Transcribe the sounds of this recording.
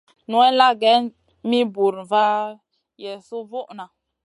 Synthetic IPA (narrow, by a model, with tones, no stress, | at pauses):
nu˦ɛ˦la˦ɡɛ˦n | mi˦bu˨ɾva˦ | jɛ˨su˦vu˦ʔna˨